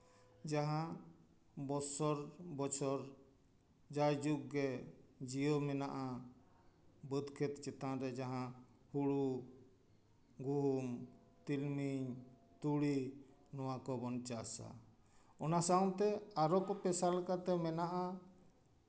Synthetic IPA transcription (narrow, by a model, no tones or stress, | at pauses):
d͡ʒaɦã | bɔsɔɾbɔt͡ʃʰɔɾ | d͡ʒajd͡ʒuk̚ɡɛd͡ʒijɔmɛnaʔa | bəd̪kʰɛt̪t͡ʃɛt̪ãɾɛd͡ʒaɦã | huɽu | ɡuɦum | t̪ilmiɲ | t̪uɽi | nɔwakɔbɔnt͡ʃasa̰ | ɔnasaw̃t̪ɛaɾɔkɔpɛsalkat̪ɛmɛnaʔa